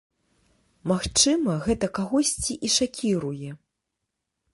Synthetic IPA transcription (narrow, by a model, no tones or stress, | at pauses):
maxt͡ʂɨmɐɣɛt̪ɐkaɣɔsʲt͡sʲiʔiʂakʲiɾujɛ